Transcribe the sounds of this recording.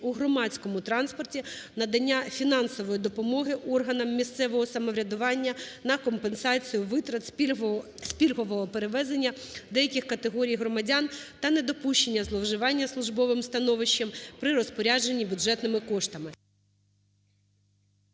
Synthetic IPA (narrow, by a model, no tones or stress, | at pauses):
uɦɾɔmɑt͡sʲkɔmʊt̪ɾɑnspɔrtʲinɐd̪ɐnʲːafʲinɑnsɔʋɔjid̪ɔpɔmɔɦɪʔɔrɦɐnɐmːʲist̪sɛʋɔɦɔsɐmɔʋɾʲɐd̪ʊʋɑnʲːɐnɐkɔmpensɑt͡sʲijʊʋɪt̪ɾɐt̪ | sʲpʲilʲɦɔʋɔɦɔpeɾeʋɛzenʲːɐd̪ɛjɐkʲixkɐt̪eɦɔɾʲijɦɾɔmɐdʲɑnt̪ɐned̪ɔpuʃt͡ʃenʲːɐzlˠɔwʒɪʋɑnʲːɐslˠʊʒbɔʋɪmst̪ɐnɔʋɪʃːɐmpɾɪɾɔspɔɾʲad͡ʒenʲːibʲʊdʐɛt̪nɪmɪkɔʃt̪ɐmɪ